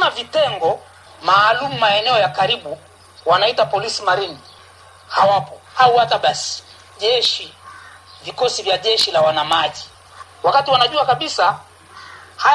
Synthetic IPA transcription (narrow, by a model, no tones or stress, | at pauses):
navitɛŋɡɔ | maːlumumaɛnɛɔjakaɾiɓu | wanaitapɔlisimaɾini | hawapɔhauwataɓasi̥ | ʄɛʃi | vikɔsivjaʄɛʃilawanamaʄi | wakatiwanaʄuakaɓisa | ha